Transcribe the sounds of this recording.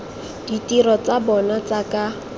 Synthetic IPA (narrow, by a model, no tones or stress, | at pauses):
d̥itiɾɔt͡sabɔnat͡saka